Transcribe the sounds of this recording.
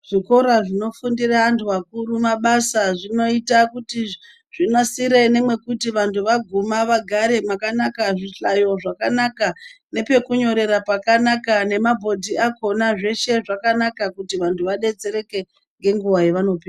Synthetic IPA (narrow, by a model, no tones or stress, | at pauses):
ʐ̥iko̞ɾaʐino̞fundiraːntʰuʋakuɾumaɓasaʐino̞itakuti | ʐ̥inosiɾeine̞mwe̞kutiʋantuʋaɡʱumaʋaɡʱaɾe̞makanakaʐiɬajo̞ʐakanaka | ne̞pe̞kuɲo̞ɾe̞ɾapakanakane̞mabʱo̞dʱiako̞naʐe̞ʃe̞ʐakanakakutiʋantʰuʋaɗe̞t͡se̞ɾe̞ke̞ | ŋɡe̞ŋɡuʋajeʋano̞piːa